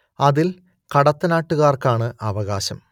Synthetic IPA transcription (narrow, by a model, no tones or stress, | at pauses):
ɐðil | kɐɽɐt̪ːɐnaːʈːuɣaːrkaːɳɨʔɐʋɐɣaːɕɐm